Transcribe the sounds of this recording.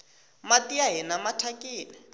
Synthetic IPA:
matiaɦinamatʰakʼiːnɪ

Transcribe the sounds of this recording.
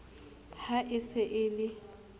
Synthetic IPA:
haʔɪsɪʔɪlɪ

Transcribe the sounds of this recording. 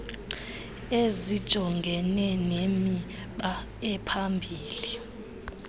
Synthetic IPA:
ezid̥ʒ̥ʱɔŋɡʱɛnɛnemi | ɓa | ɛpʰambʱiːli

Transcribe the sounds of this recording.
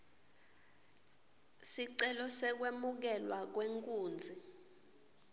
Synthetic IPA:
siǀɛlɔsɛk̬wemuk̬ɛlwak̬weŋkʼuːnd͡zʱi

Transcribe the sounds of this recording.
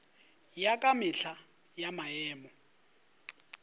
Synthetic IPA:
jakʼamɪɬa | jamaɛːmɔ

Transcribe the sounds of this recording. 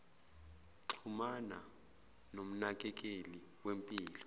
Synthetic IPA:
ǁʰumana̰ | nom̩nak̬ʼɛk̬ʼeli | wempʼiːlɔ

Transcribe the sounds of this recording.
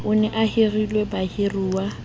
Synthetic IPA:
ʊnɛʔahɪrilwebahɪruːwa

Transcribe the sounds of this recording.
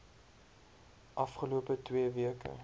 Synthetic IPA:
ʔɐfχəluəpətwiəviəkə̰

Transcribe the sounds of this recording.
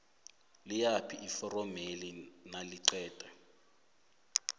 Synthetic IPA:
lijapʰiifɔrɔmelinaliǀɛːtʼɛ

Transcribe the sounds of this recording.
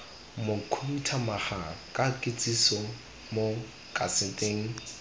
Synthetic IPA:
mʊkʰum̩tʰamaχakʼakʼɪt͡sʼisɔ | mo | kʼasɪtʼeŋ̩

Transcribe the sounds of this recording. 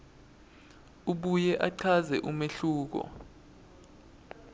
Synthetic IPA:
uɓujɛʔaǀʰazɛʔumeɬuːk̬ɔ̰

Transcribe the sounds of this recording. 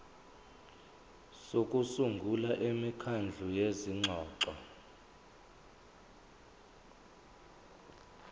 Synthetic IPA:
sokʼusuŋɡʱulaʔemikʰand͡ɮʱujeziŋ͡ǁʱɔːǁɔ

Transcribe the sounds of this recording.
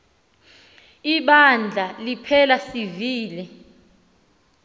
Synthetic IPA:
iɓand͡ɮʱalipʰɛlasiviːlɛ

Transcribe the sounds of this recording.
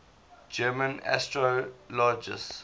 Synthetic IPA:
d͡ʒɛːmə̃na̰stɹolɔd͡ʒɪ̰s

